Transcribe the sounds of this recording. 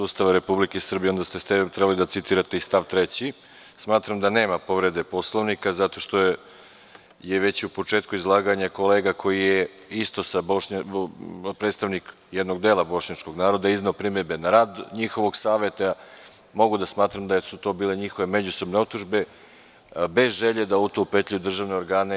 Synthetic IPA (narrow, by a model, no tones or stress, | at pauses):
suːst̪aʋaɾe̞publikesr̩bijeo̞nd̪ast̪est̪et̪ɾebalid̪at̪sit̪iːɾat̪e̞ist̪aʋt̪ɾe̞t͡ɕi | smaːt̪ɾamd̪ane̞ːmapo̞ʋɾe̞d̪e̞po̞slˠoʋnikazat̪o̞ʃt̪o̞ | jeʋe̞t͡ɕupo̞t͡ʃe̞ːt̪̚kuizlˠaːɡaɲako̞leːɡakʰo̞jije | ist̪o̞saboɲ | pɾet̪st̪aʋnik | jed̪no̞ɡd̪e̞ːlabo̞ʃɲat͡ʃko̞ɡnaːɾo̞d̪aizneopɾimeɾbe̞naɾaːd̪ɲixo̞ʋo̞ɡsaːʋe̞t̪a | mo̞ɡud̪asmaːt̪ɾamd̪ajesut̪o̞biːle̞ɲixo̞ʋe̞me̞d͡ʑuso̞bne̞o̞pt̪ːuʒbe̞ | be̞zʒe̞ʎed̪aut̪opet̪ʎʲiud̪r̩ʒaːʋne̞oɾɡaːne̞